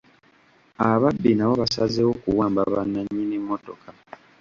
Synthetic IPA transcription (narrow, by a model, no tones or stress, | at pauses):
aβabːinaβo̞βasazewo̞kuwaːmbaβanːaɲːinemːo̞to̞kʰa